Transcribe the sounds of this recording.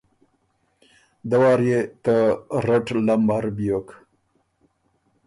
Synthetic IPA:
d̪awɑːɾjet̪aɾaʈlambaɾbijok

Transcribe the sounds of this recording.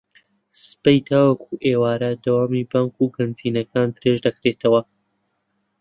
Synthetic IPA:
sɨ̥pɛjt̪ʰaːwɐkuʔeːwaːɾɐd̪ɐwaːmibaːŋkuɡɐnziːnɐkʰaːnd̪ɨɾeʒd̪ɐkɾet̪ʰɐwɐ

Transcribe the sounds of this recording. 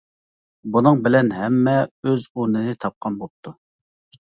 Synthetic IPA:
bunɨŋbɪlɛnɦɛmːɛøzunɨnɪt̪ʰɑp̚qʰɑnbop̚t̪ʰu

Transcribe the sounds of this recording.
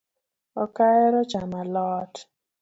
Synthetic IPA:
ɔkaɛɾɔt͡ʃamalɔt

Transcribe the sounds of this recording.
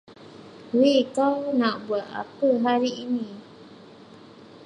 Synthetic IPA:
wikanãʔbuat̪a̰pəɦaɾiʔːnĩ

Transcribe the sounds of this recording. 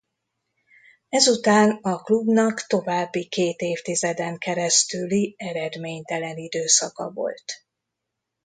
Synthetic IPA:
ɛzut̪aːnɒklubnɒkt̪o̞vaːbːikeːt̪eːft̪izɛd̪ɛŋkɛɾɛst̪yliɛɾɛd̪meːɲt̪ɛlɛnid̪øːsɒkɒ̰vo̞̰lt̪

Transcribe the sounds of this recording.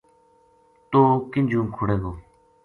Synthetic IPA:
t̪oːkɪnd͡ʒũːŋkʰʊɽeːɡoː

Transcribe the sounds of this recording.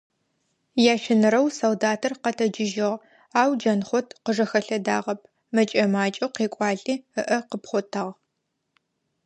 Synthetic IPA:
jaːʃɪnɨɾɐwsoldaːtʰɐrqɐtʰɐd͡ʒɪʒɪʁ | aːwd͡ʒɐnχʷɔtʰqəʐɐxɐɬɐdaːʁɐp̚ʰ | mɐt͡ʃʼɐmaːt͡ʃʼɐwqeːkʷʼɑːɮʼiːɨʔɐqəpχʷɔtʰaːʁ

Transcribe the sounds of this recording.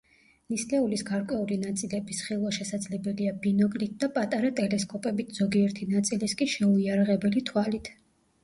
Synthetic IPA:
nislɛulisɡaɾkʼwɛulinat̪sʼilɛbisχilˠwaʃɛsad̪zlɛbɛliabinɔkʼlit̪̚d̪apʼat̪ʼaɾat̪ʼɛlɛskʼɔpʼɛbit̪ʰz̥ɔɡiɛɾt̪ʰinat̪sʼiliskʼiʃɛuiaɾaʁɛbɛlit̪ʰwalit̪ʰ

